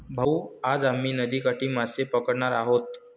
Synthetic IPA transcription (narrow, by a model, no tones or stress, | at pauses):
bʱəuad͡zam̤ːiːnəd̪iːkaʈiːmasepəkəɽɳaɾaɦot̪